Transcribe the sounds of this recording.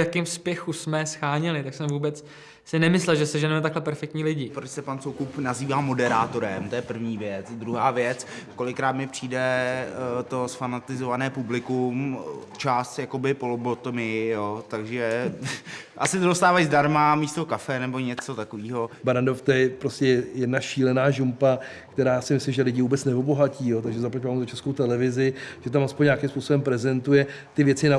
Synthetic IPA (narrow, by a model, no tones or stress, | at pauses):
jakɪːmspjɛxusmɛsxaːɲɛlɪt̪aksɛmvuːbɛt͡s | sɪnɛmɪslɛlʒɛsɛʒɛnɛmɛt̪aklɛpɛɾfɛk̚t̪ɲiːlɪɟɪpɾot͡ʃsɛpansowkupnaziːvaːmo̞dɛɾaːt̪o̞ɾɛmt̪ojɛpr̩vɲiːvjɛt͡sd̪ɾuɦaːvjɛt͡sko̞lɪkɾaːt̪mɪpr̝̥iːdɛ | t̪o̞sfanat̪ɪzovanɛːpublɪkumt͡ʃast̪jakobɪpolobot̪omɪjoːt̪aɡʒɛ | ʔa̰sɪt̪odost̪aːvajzdaɾmamiːst̪o̞kafɛnɛbo̞ɲɛt͡sot̪akoviːɦo̞baɾandoft̪ojɛpɾoscɛjɛdnaʃiːlɛnaːʒumpa | kt̪ɛɾaːsɪmɪslɪmʒɛlɪɟɪvuːbɛt͡snɛobo̞ɦaciːjoːt̪̬aɡʒɛzaplacvaːmzot͡ʃɛskowt̪ɛlɛvɪzɪʒ̥ɛt̪̬amaspoɲːɲakɪmspuːsobɛmpɾɛzɛnt̪ujɛ | t̪ɪvjɛt͡sɪna